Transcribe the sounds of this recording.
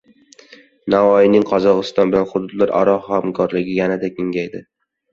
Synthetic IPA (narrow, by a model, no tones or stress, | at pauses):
navɒjɪnɪŋqʰɒzɒqɨst̪ɒnbɪlanχʊd̪ʊd̪laɾʔa̰ɾɒhamkʰɒɾlɪɡʲɪjanad̪akʲɪŋɡʲajd̪ɪ